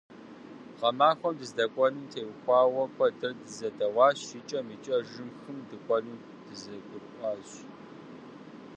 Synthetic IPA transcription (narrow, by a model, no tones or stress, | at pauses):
ʁɐmaːxʷɔmdɨzdɐkʷʼɔnɨmtʰeːwxʷɑːwɐkʷʰɐdɨrdɨzɐdɐwɑːɕɪt͡ʃʼɐmiːt͡ʃʼɐʒɨmxɨmdɨkʷʼɔlɨm | d̥ɨzɐɡʷʊrʔʷʼɑːɕ